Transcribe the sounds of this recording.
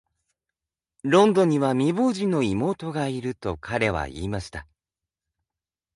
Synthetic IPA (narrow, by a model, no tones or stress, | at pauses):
ɾõ̞nd̪õ̞ɲ̟iβamʲiboːʑino̞imo̞ːt̪o̞ɡaiɾɯ̟t̪o̞kʰaɾe̞βa̰ḭːmaɕi̥t̪a